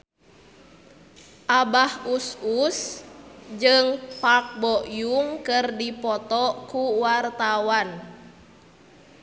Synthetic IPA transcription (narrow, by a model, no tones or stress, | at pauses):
ʔabahusus | d͡ʒɨŋpak̚bɔʔjuŋkɨrdipɔt̪ɔkuwart̪awan